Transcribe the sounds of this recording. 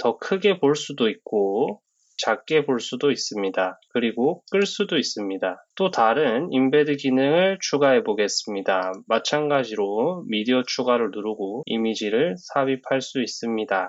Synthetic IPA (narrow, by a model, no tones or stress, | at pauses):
tʌkʰɯɡe̞poɭs͈udoik̚k͈o | t͡ɕak̚k͈e̞boɭs͈udois͈ɯmɲidakɯɾiɡok͈ɯɭs͈udois͈ɯmɲidat͈otaɾɯnimbe̞dɯɡinɯŋɯɭt͡ɕʰuɡaɦe̞boɡe̞s͈ɯmɲidamat͡ɕʰanɡad͡ʑiɾomidiʌt͡ɕʰuɡaɾɯɭnuɾuɡoḭmid͡ʑiɾɯɭsʰabipʰaɭs͈uis͈ɯmɲida